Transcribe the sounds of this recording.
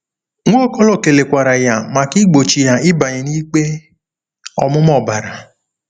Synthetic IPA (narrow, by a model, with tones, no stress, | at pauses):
ŋʷ˦o˦kɔ˦lɔ˦˨ke˨le˨kʷa˨ɾa˨ja˨mã˨ki˦ɡ͡bo˨t͡ʃi˨ja˨i˦ba˨ɲi˨niː˦ɡ͡be˦ | ɔ̰˨mʊ̃˦mɔ˦˨ba˨ɾa˨